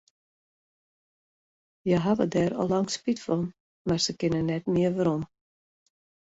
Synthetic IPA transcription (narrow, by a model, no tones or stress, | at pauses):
jəɦaʋədɛɾɔ̰lɑŋspitfɔn | marsəkɪnənːɛtmɪəʋəɾɔm